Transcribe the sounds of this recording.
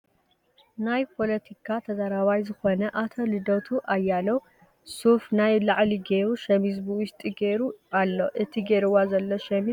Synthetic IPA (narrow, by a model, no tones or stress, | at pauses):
najpʰo̞lɐt̪ʰikʰat̪ʰɐzaɾaβajzɨxo̞nɐʔat̪ʰolɨd̪ot̪ʰuʔajːalɐw | sufnajlaʕliɡeɾuʃɐmizbuʊst̪ʼiɡeɾualːoʔɨt̪ʰiɡeɾɨwazɐlːoʃɐmi